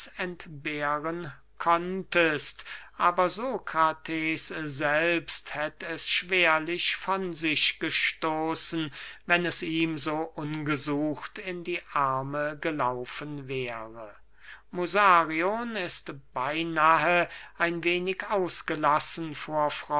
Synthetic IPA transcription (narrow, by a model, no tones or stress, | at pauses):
sɛntb̥eːʁən | kʰɔntəstʔaːbɐzoːkʁatʰeːszɛlpsthɛtəɛsʃv̥eːɐlɪʃfɔnzɪʃɡ̥əʃtoːsn̩vɛnɛsiːmzoːʔʊnɡəzuːxtɪndiːʔaɐməɡəlaʊfənvɛːʁə | muzaːʁionɪstb̥aɪnaːɦəʔaɪnveːnɪkaʊsɡ̥əlasn̩foːɐfʁ̥ɔ